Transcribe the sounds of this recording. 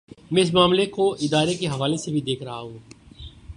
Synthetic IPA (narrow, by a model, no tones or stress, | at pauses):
mɛ̃ɪs̬maːmlekoʔɪd̪aːɾekeɦɐʋaːlesebʱid̪eːkʰɾɐɦaɦũː